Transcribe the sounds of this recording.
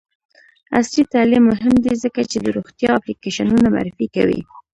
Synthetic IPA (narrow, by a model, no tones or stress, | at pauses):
a̰slit̪alimːʊɦɪmd̪izəkat͡ʃed̪əɾoɣt̪jɑaplikeʃanunama̰ɾɪfika̰wḭ